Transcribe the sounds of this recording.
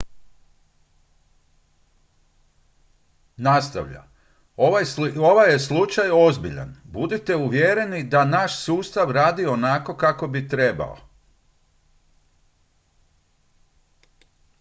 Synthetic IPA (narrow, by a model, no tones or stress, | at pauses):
nast̪a̰ʋʎa̰ | oajoʋajeslˠut͡ʃajo̞zbiʎa̰nbud̪it̪e̞uʋjeɾe̞nid̪anaʃsuːst̪aʋɾaːd̪io̞nako̞kako̞bit̪ɾe̞ba̰o̰